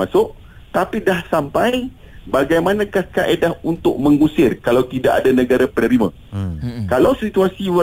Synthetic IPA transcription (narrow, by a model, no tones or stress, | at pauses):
asʊʔ | t̪apidahsampaj | baɡajmanãkahkaʔedaɦunt̪ʊʔ̚mə̃ŋusɪrkalawt̪idaʔa̰danə̃ɡaɾapənəɾimã̰ | kalawsit̪uasiwə